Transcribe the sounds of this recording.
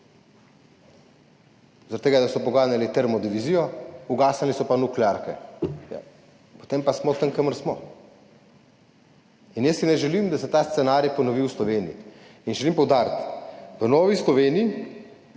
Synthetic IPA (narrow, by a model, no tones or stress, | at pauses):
zɾɔt̪eːɡad̪asɔpɔɡaːnalit̪ɛɾmɔd̪iʋizijɔuɡaːsalisɔpanuklɛaɾkɛ̰ja̰ | po̥t̪empasmɔt̪əŋkəməɾsmɔ | injəsinɛʒɛlimd̪asɛt̪ast̪sɛnaːɾjapɔnɔʋiwslɔʋeːnḭiː | nʒɛlimpɔwd̪aːɾt̪ʋənɔːʋislɔʋeːnii